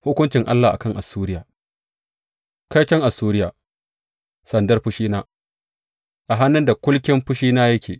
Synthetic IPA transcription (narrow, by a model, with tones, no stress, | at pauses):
hʊ˦kʷʊ˦nt͡ʃɪ˨ŋʔa̰˦lːaː˨ʔa̰˨kɐ˦ŋʔa˨suː˦ɾɪ˦jaː˨ | ka˦jt͡ʃɐ˦ŋʔa˨suː˦ɾɪ˦jaː˨ | sɐ˨ndɐ˦rɸʊ˦ʃiː˦naː˦ | ʔa˨ɦa˦nːʊ˦nda˨kʷʊ˦lkʲɪ˦mɸʊ˦ʃiː˦naː˦jɐ˦kʲʰḛː˨